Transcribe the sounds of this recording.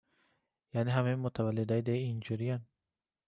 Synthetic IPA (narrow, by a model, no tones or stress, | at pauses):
janiɦamemot̪ʰavalːid̪aid̪aiːnd͡ʒuɾijan